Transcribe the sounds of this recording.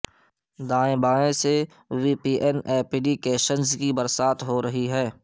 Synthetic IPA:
d̪ãːẽbaːɽẽse | ʋiːpiːʔɛnɛːpiɖikeːʃənzkibəɾsaːt̪ɦoɾɐɦiɦɛː

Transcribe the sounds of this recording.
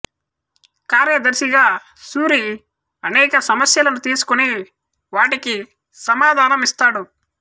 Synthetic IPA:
kaːɾjɐd̪ɐɾsiɡaː | suːɾi | ɐnɛːkɐsɐmɐsjɐlɐnut̪iːsu̥kuni | ʋaːʈiki | sɐmaːd̪ʱaːnɐmist̪aːɽu

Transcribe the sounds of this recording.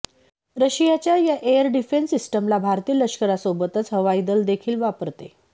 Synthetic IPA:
ɾəɕijat͡ɕjajaʔejəɾɖifensisʈəmlabʱaɾt̪iːləɕkəɾasobət̪ət͡sɦəʋaid̪əld̪ekʰiːlʋapəɾt̪e

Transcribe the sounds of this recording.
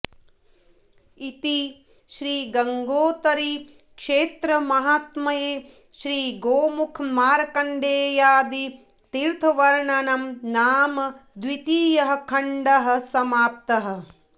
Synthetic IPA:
it̪i | ʃɾiːɡɐŋɡoːt̪ɐɾi | kʃeːt̪ɾɐmɐɦaːt̪mɐjeː | ʃɾiːɡoːmukʰmaːɾɐkɐɳɖeːjaːd̪i | t̪iːɾt̪ʰɐʋɐɾɳɐnɐmnaːmɐd̪ʋit̪iːjɐɦɐ̆kʰɐɳɖɐɦɐ̆sɐmaːp̚t̪ɐɦɐ̆

